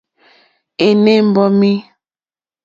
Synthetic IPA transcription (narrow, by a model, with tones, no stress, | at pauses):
e˨ne˦˨m̩˦bɔ˦mi˦